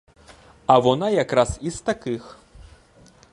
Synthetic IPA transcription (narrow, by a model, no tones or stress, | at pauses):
ɐvɔnajakɾasist̪akɨx